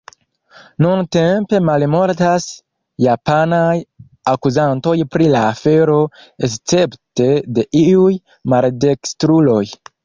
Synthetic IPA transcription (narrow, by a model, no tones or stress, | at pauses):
nunte̞mpe̞malmo̞ɾtas | japanaj | akuzanto̞jpɾilaːfe̞ɾo̞ | est͡se̞pte̞de̞ʔiuj | malde̞kstɾulo̞j